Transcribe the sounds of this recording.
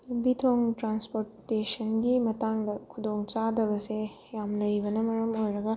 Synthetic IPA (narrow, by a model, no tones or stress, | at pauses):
bitʰoŋtɾanspoɾtesɐnɡimɐtaŋdɐkʰud̪oŋt͡ʃadɐβɐse | jamlɐjbɐnɐmɐɾɐmojɾɐɡɐ